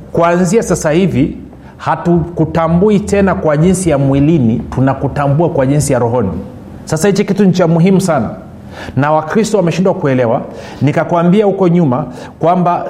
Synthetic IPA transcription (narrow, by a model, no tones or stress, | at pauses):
kuanziasasahivi | hatukutambuitɛnakwaʄinsijamwilinitunakutambuakwaʄinsijaɾɔɦɔnḭ | sasahit͡ʃikituɲ̩t͡ʃamuɦimusana̰ | nawakɾistɔwamɛʃindwakuɛlɛwa | nikakuambiahukɔɲuma | kwamba